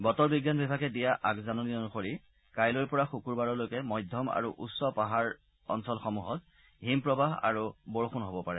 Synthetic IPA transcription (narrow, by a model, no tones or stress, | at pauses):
bɔtɔɹbiɡjanbɛbʱaɡɛdijaʔakzanɔniɔnuxoɹi | kajlojpɔɹaxukuɹbaɹɔlojkɛmɔjdʱjɔma̰ɹuʔusːɔpaɦaɹ | ɔ̰nsɔlxɔmuɦɔz | ɦimpɹɔbaɦa̰ɹubɔɹxunɦobɔpaɹɛ